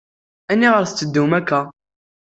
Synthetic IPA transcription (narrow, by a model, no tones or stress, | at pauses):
ænːiʁəɾθt͡sːəd̪ːumækːæ